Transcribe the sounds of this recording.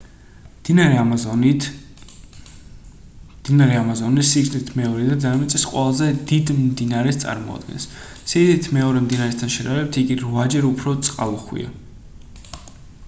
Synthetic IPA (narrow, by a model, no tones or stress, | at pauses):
d̪̥inaɾɛamazɔnisiɡznit̪ʰmɛɔɾɛd̪azanamit̪sʼɛsqʼwɛlˠazɛd̪id̪md̪inaɾɛst̪sʼa̰ɾmɔ̰a̰d̪̥̚ɡɛ̰ns | siɡznit̪ʰmɛɔɾɛmd̪inaɾɛst̪ʰanʃɛɾaɾɛp̚t̪ʰiɡiɾvad͡ʒɛɾupʰɾɔt̪sʼqʼaluχwḭa̰